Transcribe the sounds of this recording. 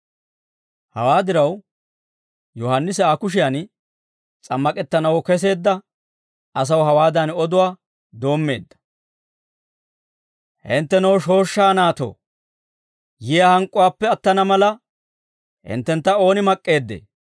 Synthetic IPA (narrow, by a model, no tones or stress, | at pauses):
hɐ̰waːd̪ɪɾɐw | jɔhɐnːɪsɛaːkʊʃ̬ɪjan | t͡sʼɐmːɐkʼɛt̪ːɐnɐwɔkɛs̬e̞ːd̪ːɐ | ɐs̬ɐwɦɐwaːd̪ɐnɔd̪ʊwaː | d̪o̞ːmːe̞ːd̪ːɐ̥ | hɪnt̪ːɛnɔwʃo̞ːʃːaːnaːt̪o̰ː | jɪjahɐŋkʼːʊwaːpːɛɐt̪ːɐnɐmɐlɐ | hɪ̰nt̪ːɛnt̪ːɐo̞ːnɪmɐkʼːe̞ːd̪ːḛː